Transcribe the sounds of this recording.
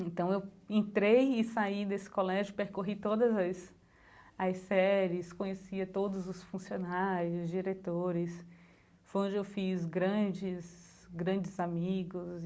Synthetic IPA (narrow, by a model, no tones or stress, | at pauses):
ẽt̪ɐ̃w̃ewẽnt̪ɾejɪsaid̪esɪ̥kolɛʒʊpeɾkoɦit̪od̪ɐzɐs | ɐsɛɾɪskõɲesiɐt̪od̪ʊzʊsfũsionaɾjʊzd͡ʒiɾet̪oɾɪs | fojõd͡ʒɪewfizɡɾɐ̃d͡ʒɪs | ɡɾɐ̃d͡ʒɪzamiɡʊz